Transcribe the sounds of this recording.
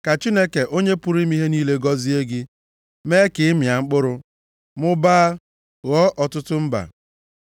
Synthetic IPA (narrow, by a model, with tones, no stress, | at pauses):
ka˨t͡ʃi˦ne˦ke˨ʔo˦ɲe˦pʊ˦ɾi˦mi˦ɦe˦niː˦le˦ɡɔ˦zi˦e˦ɡɪ˦ | me˦kɪ˨˦ɪ˦mja˨ŋ͡m̩˦k͡pʊ˦ɾʊ˦ | mʊ˦ba˦a˦ | ɣɔ˦ʔɔ˨tʊ˦tʊ˦m̩˦ba̰˨